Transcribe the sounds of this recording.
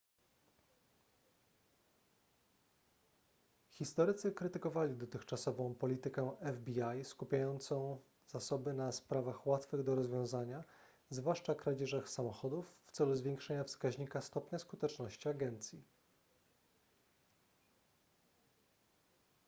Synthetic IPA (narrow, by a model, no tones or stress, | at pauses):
xʲist̪ɔɾɘt̪sɘkɾɘt̪ɘkɔvalʲid̪ɔt̪ɘxt͡ʂasɔvɔ̃w̃pɔlʲit̪ɘkɛɛvbʲiajskupʲjajɔnt̪sɔ̃w̃ | z̥asɔbɘnaspɾavaxwat̪fɘɣd̪ɔɾɔzvʲjɔ̃w̃zaɲa | zvwaʂt͡ʂakɾad͡ʑɛʐaxsamɔxɔd̪ufːt̪sɛluzvʲjɛŋkʂɛɲafskaʑɲikast̪ɔpɲaskut̪ɛt͡ʂnɔɕt͡ɕiaɡɛnt̪sʲji